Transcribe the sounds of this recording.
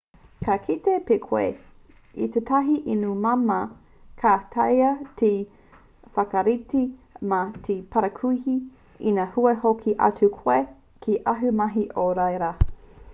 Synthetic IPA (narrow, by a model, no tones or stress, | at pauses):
kʰakʰitepekʰwe | ḭtetʰɐɦiʔinumɐmɐ | kʰaːtʰɐjɐtʰi | fɐkɐɾitimɐtʰipʰɐɾɐkʰuihi | inɐhuehokʰiʔɐ̰t͡sukʰoe | kʰiʔɐɦʉmɐɦiʔoɾɐjɾa